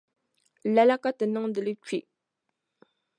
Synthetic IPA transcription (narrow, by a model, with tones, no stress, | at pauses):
la˨la˦ka˦tɨ˨nɨ˦ŋdɨ˨lɨ˦t͡ʃi˨